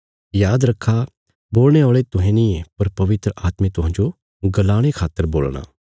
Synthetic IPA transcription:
jaːd̪ɾɐkʰːa | boːlɽ̃eɔːɭet̪ʊɦẽnĩepɐɾpɐʋɪt̪ɾəʔaːt̪mẽt̪ʊɦãːnd͡ʒo | ɡɐlaːɽ̃ekʰaːt̪ːəɾbo̰ːlɽ̃a̰ː

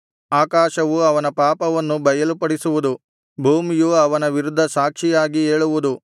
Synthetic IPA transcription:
aːkaːʃɐʋuɐʋɐnɐpaːpɐʋɐnːubɐjɐlupɐɽisuʋud̪u | bʱuːmijuɐʋɐnɐʋiɾud̪ʱːɐsaːkʂijaːɡie̞ːɭuʋud̪u

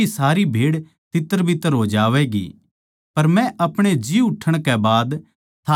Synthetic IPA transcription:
isaːɾibʱeːɽ | t̪ɪt̪ːəɾbʱɪt̪ːəɾɦoːd͡ʒaːʋɛɡḭ | pɐɾmɛ̃ʔɐpɽ̃ed͡ʒiuʊʈʰəɽ̃kɛbaːd̪ | t̪ʰaː

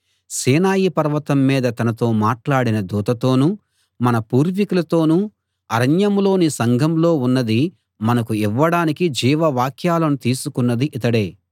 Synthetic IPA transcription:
siːnaːjipɐɾɐʋɐt̪ɐmːiːd̪ɐt̪ɐnɐt̪o̞ːmaːʈlaːɽinɐd̪uːt̪ɐt̪o̞ːnu | mɐnɐpuːɾʋikulɐt̪o̞ːnu | ɐɾɐɲjɐmlo̞ːnisɐŋɡʱɐmlo̞ːunːɐd̪i | mɐnɐkuiʋːɐɽaːnikid͡ʒiːʋɐʋaːkʰjaːlɐnut̪iːsukunːɐd̪iʔit̪ɐɽeː

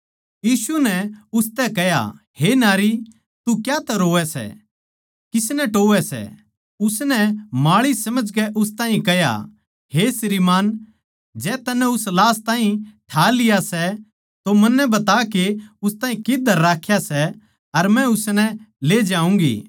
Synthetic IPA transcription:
jiːsunɛʊst̪ɛkɛja̰ | henaːɾi | t̪ukjat̪ɛɾoːɛsɛ̰ | kɪsnɛʈoːʋɛsɛ̰ | ʊsnɛmaːɭisɐməd͡ʒkɛʔʊst̪ãːɦĩkɛɦja̰ | ɦesɾiːmaːn | d͡ʒɛːt̪ɐnːɛ̃ʊslaːst̪ãːɦĩʈʰaːlɪjasɛ | t̪omɐnːɛ̃bɐt̪akeʊst̪aːɦĩkɪd̪ʱəɾːaːkʰjasɛ | ɐɾmɛ̃ʊsnɛleːd͡ʒãːũːŋɡḭː

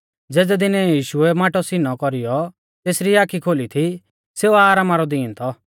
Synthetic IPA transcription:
d͡zɛːd̪ɛd̪ɪnɛjiːʃʊɛmaːʈɔsinɔkɔɾijɔ | t̪eːsɾiaːkʰikʰoːlit̪ʰi | seːuaːɾaːmaɾɔd̪iːnt̪ʰɔ

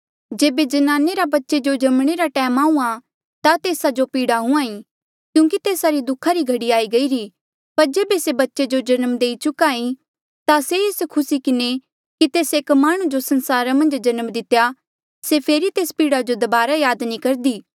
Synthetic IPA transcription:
d͡ʒeːbed͡ʒɐnaːneɾabɐtːʃed͡ʒod͡ʒɐmɽ̃eɾaʈɛːmaːũã | t̪at̪eːsad͡ʒopiːɽaɦʊ̃ãːĩ | kjũːkit̪eːsaɾid̪ʊkʰːaɾiɡʱɐɽiaːiɡɐiɾi | pɐɾd͡ʒeːbesebɐtːʃed͡ʒod͡ʒɐnəmd̪eːit͡ʃʊkaːĩ | t̪aseeːskʰʊsikɪne | kit̪eːseːkmaːɽ̃ũd͡ʒosɐnsaːɾamɐ̃nd͡ʒd͡ʒɐnəmd̪ɪt̪ja | sepʰeːɾit̪eːspiːɽad͡ʒod̪ɐbaːɾajaːd̪nĩkɐɾd̪iː

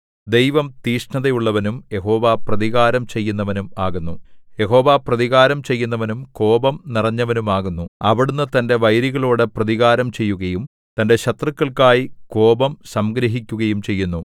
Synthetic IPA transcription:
d̪ejʋɐmt̪iːʂɳɐðɐjuɭːɐʋɐnumje̞ɦo̞ːʋaprɐðiɣaːɾɐmt͡ɕe̞jːunːɐʋɐnumaːɣunːuje̞ɦo̞ːʋaprɐðiɣaːɾɐmt͡ɕe̞jːunːɐʋɐnumko̞ːbɐmnirɐɲːɐʋɐnumaːɣunːuɐʋiɽunːɨt̪ɐnde̞ʋɐjɾiɣɐɭoːɽɨprɐðiɣaːɾɐmt͡ɕe̞jːuɣɐjum | t̪ɐnde̞ɕɐt̪rɨkːɐɭkːaːjiko̞ːbɐmsɐmɡɾɐɦikʲːuɣɐjumt͡ɕe̞jːunːu

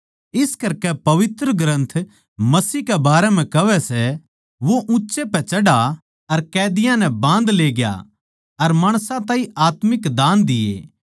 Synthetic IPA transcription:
ɪskɐɾkɛpɐʋɪt̪ɾəɡɾə̃nt̪ʰ | mɐsiːkɛbaːɾɛm̤ɛ̃kɐʋɛsɛ | ʋoʔʊ̃ːʃepɛt͡ʃɐɽa | ɐɾkɛːd̪ɪjãnɛbãːnd̪leːɡja̰ | ɐɾmaːɽ̃sãt̪ãːĩaːt̪mɪkd̪aːnd̪ɪjḛː

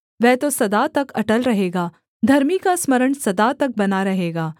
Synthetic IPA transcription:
ʋɛɦt̪osɐd̪at̪ɐkɐʈəlɾɐɦeːɡaː | d̪ʱɐɾmikasməɾəɳsɐd̪aːt̪ɐk̚bɐnaɾɐɦeːɡaː

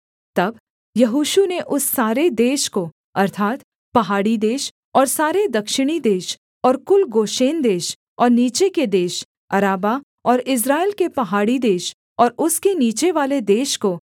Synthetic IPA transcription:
t̪ɐb | jɐɦuːʃuneʔʊsːaːɾed̪eːʃko | ɐɾt̪ʰaːt̪ | pɐɦaːɽid̪eːʃ | ɔːɾsaːɾed̪ɐkʃɪɽ̃id̪eːʃ | ɔːɾkʊlɡoːʃeːnd̪eːʃ | ɔːɾniːt͡ʃeked̪eːʃ | ɐɾaːba | ɔːɾɪs̬ɾaːɪlkepɐɦaːɽid̪eːʃ | ɔːɾʊskeniːt͡ʃeʋaːled̪eːʃko

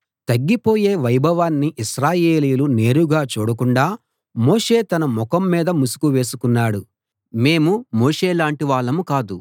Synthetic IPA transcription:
t̪ɐɡːipo̞ːje̞ːʋɐjbʱɐʋaːnːiʔiʃɾaːjeːlijlune̞ːɾuɡaːt͡ʃoːɽɐkuɳɖaː | mo̞ːʂe̞ːt̪ɐnɐmɔkɐmːiːd̪ɐmusu̥kuʋe̞ːsukunːaːɽu | meːmumo̞ːʂe̞ːlaːɳʈiʋaːɭːɐmukaːd̪u

